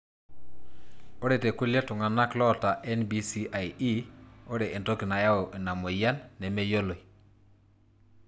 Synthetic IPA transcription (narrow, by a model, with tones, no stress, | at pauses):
o˦ɾɛ˨te˨ku˦ljtʊ˨ŋa˨na˦klɔ˦˨ta˨ʔɛ˦nbi˦si˦ʔa˨ji˦o˦ɾɛ˨ʔe˨nto˦kɪ˨na˨ja˦o˨ʔe˨na˨mo˨ja˦nːɛ˨me˦jo˦lo˨i˨